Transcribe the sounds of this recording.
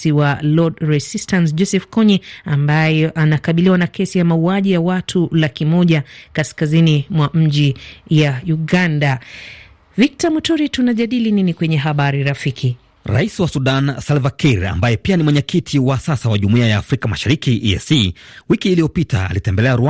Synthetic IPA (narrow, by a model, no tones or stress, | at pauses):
iwalɔdɹɛsistansd͡ʒɔsɛfkɔɲɛambajɛʔanakaɓiliwanakɛsijamauaʄijawatʰulakimɔʄakaskazinimwam̩ʄijauɠanda | vik̚tamutuɾitunaʄaɗilininikwɛɲɛɦaɓaɾiɾafikʰi | ɾa̰isiwasuɗansalvakiɾa̰mbajɛpianimwɛɲɛkitʰiwasasawaʄumuiajaːfɾikamaʃaɾikiʔɛ̰siwikiːliɔpita̰ːlitɛmbɛlɛaɾua